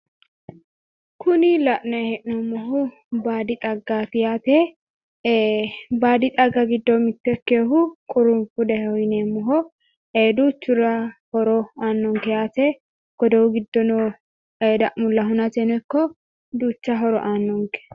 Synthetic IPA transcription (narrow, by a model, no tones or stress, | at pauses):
kʰʊnɪlɐʔnɐhɛʔnɔmːɔɦʊ | baːd̪ɪt̪ʼɐɡːat̪ɪjat̪ɛ | baːd̪ɪt̪ʼɐɡːɐɡɪd̪ːɔmɪt̪ːɛkːeːɦʊkʼʊɾʊmfʊd̪ɛhɛhɔjneːmːɔɦɔ | eːd̪uːt͡ʃːʊɾɐhɔɾɔaːnːɔŋkɛjaːt̪ɛ | ɡ̥ɔd̪ɔwʊɡɪd̪ːɔnɔ | eːd̪ɐʔmʊlːɐɦʊnɐt͡ʃɛnɛkːɔ | d̪uːt͡ʃːɐɦɔɾɔ̰ʔaːnːɔŋkɛ̥